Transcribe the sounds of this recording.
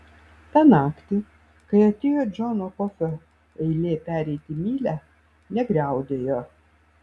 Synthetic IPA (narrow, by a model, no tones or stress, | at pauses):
t̪ɑnɑːkt̪ʲɪ | kɐɪɐt̪ʲeːjoːd͡ʒʲɔnokɔfʲo | ɛɪlʲeːpʲæːɾʲɛɪt̪ʲimʲiːlʲæ | nʲɛɡɾʲɛˑʊd̪ʲeːjoː